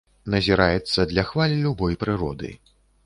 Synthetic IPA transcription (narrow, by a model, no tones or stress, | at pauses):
nɐzʲiɾajɛt̪sːɐd̪lʲɐxvalʲilʲubɔjpɾɨɾɔ̰d̪ɨ̰